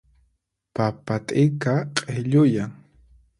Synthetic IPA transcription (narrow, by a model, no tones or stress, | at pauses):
papat̪ʼɪkaqʼeʎʊjaŋ